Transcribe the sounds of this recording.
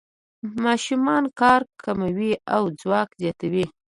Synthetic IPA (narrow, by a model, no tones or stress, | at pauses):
mɑʃumɑnkɑɾkʰamawiawd͡zwɑkzjɑt̪awi